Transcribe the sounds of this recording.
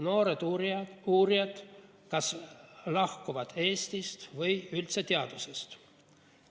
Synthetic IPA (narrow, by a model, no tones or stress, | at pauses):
no̞ːɾed̪̥uːɾijɑd̪̥ | kɑslɑhkuvɑd̪̥e̞ːst̪ist̪vɤjylt̪se̞t̪eɑd̪̥use̞st̪